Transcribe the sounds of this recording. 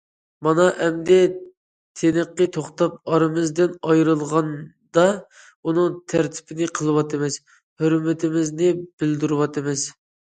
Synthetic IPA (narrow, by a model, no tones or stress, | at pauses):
mɑnɑʔɛmd̪ɛ | t̪ʰenəqːət̪ʰoχt̪ɑp̚ɑɾɨmɨzd̪ɪnɑjɾɨlˠʁɑn | d̪ɑ | unɨŋt̪ʰæɾt̪ʰɪ̥bɪnɪqʰəlˠɨwɑt̪ʰɨmɪs | høɾmɪt̪ʰɪmɪznɪb̥ɪld̪uɾɨwɑt̪ʰɨmɪz